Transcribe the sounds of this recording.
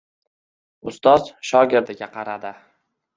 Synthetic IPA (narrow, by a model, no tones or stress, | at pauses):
ʊst̪ɒz̥ʃɒɡʲeɾd̪ɪɡʲaqʰɑɾad̪ɪ